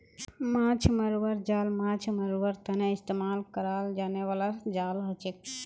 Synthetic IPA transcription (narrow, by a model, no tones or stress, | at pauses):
mãt͡ʃʰməɾwəɾd͡ʒalmãt͡ʃʰməɾwəɾt̪əneist̪emalkəɾald͡ʒaneβalad͡ʒalɦot͡ʃek̚